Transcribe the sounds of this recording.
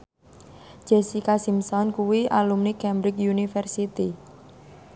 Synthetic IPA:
d͡ʒ̥ɛsikasimsɔnkuwiʔalumnikɛmbɾɪkjunifɛrsit̪i

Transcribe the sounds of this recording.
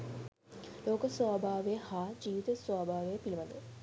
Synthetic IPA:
loːkəsʋaːbʱaːʋejəhaːd͡ʒiːʋit̪əswaːbʱaːʋəjəpiliʋɐd̪ə

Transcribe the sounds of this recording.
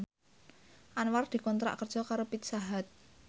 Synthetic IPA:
ʔanward̪̥i̤kɔnt̪ɾa̰ʔkərd̥ʒ̥ɔ̤kaɾopit̪saɦat̪̚

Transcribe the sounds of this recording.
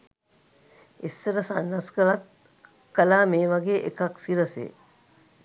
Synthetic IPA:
esːəɾəsanːaskəɭat̪̚ | kəlaːmeːʋaɡeːʔekaksiɾəsḛː

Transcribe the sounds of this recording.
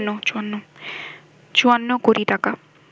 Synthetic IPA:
nːot͡ɕuanːo | t͡ɕuanːokoɾiʈaka

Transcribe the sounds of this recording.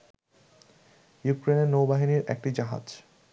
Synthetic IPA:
jukɾeneɾnowbaɦiniɾɛ̰k̚ʈid͡ʑaɦa̰d͡ʑ

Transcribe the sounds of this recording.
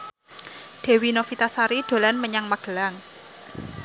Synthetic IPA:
ɖ̪̥e̤winofit̪asaɾiɖ̪̥o̤lanməɲaŋmaɡ̥əlaŋ

